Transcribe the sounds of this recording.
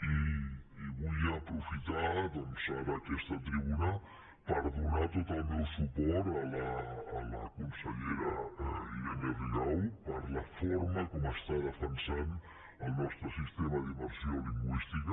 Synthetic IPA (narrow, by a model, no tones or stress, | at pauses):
iː | βuəːpɾufit̪aðɔnsaɾəkɛst̪ət̪ɾiβunə | pəɾðunat̪ot̪əlˠmewsupɔɾələːləkunsəʎɛɾəilanəðinɔwpəɾləfoɾməkɔməst̪aðəfənsan | əlˠnɔst̪ɾəsist̪eməðiməɾsioliŋɡwist̪ikə